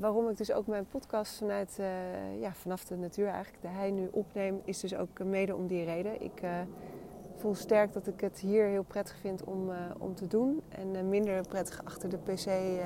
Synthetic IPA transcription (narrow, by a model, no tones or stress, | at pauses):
ʋaːrɔmɪɡ̚dɵso̰wkmɛjnpɔtkɑstfɑnœɥtjaːv̥ɑnɑfdənatyːɹɛ̰jχələɡ̚dəɦɛjnyʔɔpnejmɪsdɵso̰wkmejdəɔ̰mdirejdənʔɪ̰k | fulˠstɛɹk̚dɑtɪkətɦiːɹɦɪːlˠprɛtə̥χfɪntɔ̰mɔ̰mtədunɛ̰nmɪndəɹprɛtə̥χɑχtəɹdəpesej